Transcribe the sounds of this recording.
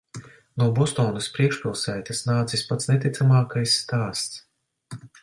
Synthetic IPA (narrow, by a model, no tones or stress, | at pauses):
nuɔbɔst̪ɔːnɨspɾiɛkʃpʲilˠsæːt̪ʲasnaːt̪sisʲpat̪snʲet̪ʲit̪samaːkajsːt̪aːst̪s